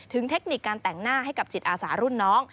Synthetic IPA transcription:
t̪ʰɯ˩˦ŋt̪ʰe˦˥k̚ni˨˩kːaː˧nt̪ɛ˨˩ŋnaː˥˩ha˥˩jka˨˩p̚t͡ɕi˨˩t̪̚ʔaː˧saː˩˦ɾu˥˩nːɔː˦˥ŋ

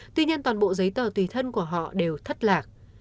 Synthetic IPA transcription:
t̪wi˧ɲi˧ənt̪waː˨˩nɓo̰˧˨zə˨˦jt̪əː˧˩t̪wi˨˩t̪ʰə˧nku˧˩əɦɔ̰˧˨ɗe˨˩wt̪ʰə˦˥t̚laː˨˩k̚

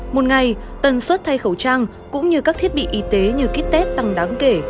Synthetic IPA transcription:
mo˨˩t̚ŋa˨˩jt̪ə˨˩nswə˦˥t̚t̪ʰa˧jxə˧˩wt͡ɕaː˧ŋ | kʊ̰˧˥ŋ͡mɲɨ˧kaː˦˥k̚t̪ʰi˦˥ət̚ɓḭ˧˨ʔi˨˦t̪e˨˦ɲɨ˧ki˦˥k̚t̪ɛ˦˥t̚t̪a˨˩ŋɗaː˨˦ŋke˧˩

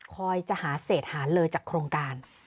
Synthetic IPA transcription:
kʰɔː˧jt͡ɕa˧˨haː˩˦seː˨˩t̪̚haː˩˦nlɤː˧jt͡ɕaː˨˩kʰɾoː˧ŋkaː˧n

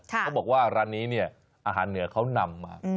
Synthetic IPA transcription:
ka˦˥wbɔː˨˩k̚waː˥˩ɾa˧nːiː˦˥ni˥˩ɐ | ʔaː˧ɦa̰ː˩˦nːɯ˩˦ɐkʰa˦˥wna˧mːa̰ː˧

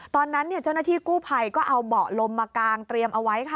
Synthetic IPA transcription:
t̪ɔː˧nːa˦˥nːi˥˩t͡ɕa˥˩wna˥t̪ʰiː˥˩kuː˥˩pʰa˧jkɔː˥˩ʔa˧wbɔː˨˩k̚lo˧mːaː˧kaː˧ŋt̪ɾi˧əmʔa˧wa˦˥jkʰa˥˩

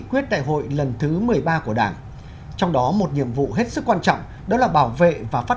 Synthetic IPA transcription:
kwi˦˥ət̚ɗa̰ː˧˨jɦo̰˧˨jlə˨˩nt̪ʰɨ˨˦mɨ˨˩əjɓaː˧ku˧˩əɗaː˧˩n | t͡ɕɔ˧wŋ͡mɗɔ˨˦mo˨˩t̚ɲḭ˧˨əmvṵ˧˨ɦe˦˥t̚sɨ˦˥kːwaː˧nt͡ɕɔ̰˧˨wŋ͡m | ɗɔ˨˦laː˨˩ɓaː˧˩wvḛ˧˨vaː˨˩faː˦˥

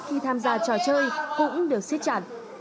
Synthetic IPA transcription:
xi˧t̪ʰaː˧mzaː˧˩t͡ɕɔ˧˩t͡ɕəː˧jkʊ̰˧˥ŋ͡mɗɨ˨˩ək̚si˦˥t̚t͡ɕaː˧˩t̚

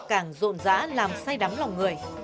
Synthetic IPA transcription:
kaː˧˩ŋzo̰˧˨nza̰ː˧˥laː˨˩msa˧jɗa˨˦ŋla˨˩wŋɨ˨˩əj

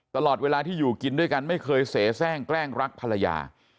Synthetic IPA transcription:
t̪a˧lɔː˨˩t̪̚weː˧laː˧t̪ʰiː˥˩juː˨˩ki˧ndu˥˩əjka˧nma˥˩jkʰɤː˧jseː˩˦sɛː˥˩ŋklɛː˥˩ŋɾa˦˥k̚pʰa˧la˧ja̰ː˧

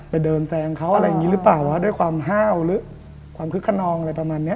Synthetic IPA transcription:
pa˧˩jdɤː˧nsɛː˧ŋkʰa˦˥wʔa˧ɾa˧jŋi˦˥lɯ˦˥paː˨˩wʔaː˦˥du˥˩jkwaː˧mɦaː˥˩wlɯː˦˥ | kʰwaː˧mkʰɯ˦˥kʰːa˧˩nɔː˧ŋ˧a˧jpa˧maː˧nːi˦˥ɐʔ

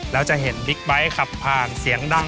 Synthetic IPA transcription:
lɛː˦˥wt͡ɕa˨˩ɦe˩˦nbi˦˥k̚ba˦˥jkʰa˨˩pʰːaː˨˩nsi˨˩˦əŋda˧˩

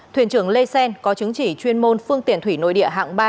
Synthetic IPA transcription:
t̪wḭ˧˩ənt͡ɕɨ˧˩əŋle˧sɛ˧nkɔ˨˦t͡ɕɨ˨˦ŋt͡ɕi˧˩t͡ɕwi˧ənmo˧nfɨ˧əŋt̪ḭ˧˨ənt̪ʰwi˧˩no̰˧˨jɗḭ˧˨əɦa̰ː˧˨ŋɓaː˧

